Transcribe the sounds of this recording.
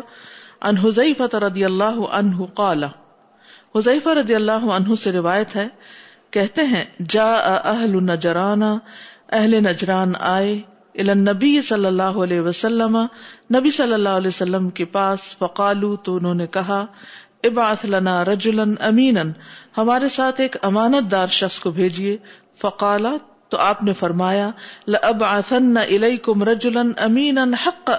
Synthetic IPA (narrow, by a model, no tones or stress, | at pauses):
ɐ̰nɦʊzɐjfɐt̪aɾɐd̪ijɐlːaːɦʊʔɐ̰nɦʊqɑːla | hʊzɐːfaɾɐd̪ijɐlːaːɦʊɐnɦʊseɾɪʋaːjət̪ɦɛ | kɛɦt̪eɦɛ̃d͡ʒaːʔɐʔɐɦlʊnːɐd͡ʒɾaːnaɐɦlenɐd͡ʒɾaːnaːe | ɪlaːnːɐbijsɐlːɐlːaːɦoɐleːɦʋɐsɐlːɐmanɐbisɐlːɐlːaːɦʊɐleːsɐlːəmkepaːsfɐqaːlut̪oʊnɦõːnekɐɦa | ɪbʕɐθlɐnaːɾɐd͡ʒʊlɐnʔɐmiːnɐnhɐmaːɾesaːt̪ʰeːkɐmaːnət̪̚d̪aːɾʃɐxskobʱeːd͡ʒie | fɐqaːla | t̪oʔaːpnefɐɾmaːjalɪʔɐbʕɐθɐnːaʔɪlejkʊmɾɐd͡ʒʊlɐnɐmiːnɐnhɐqː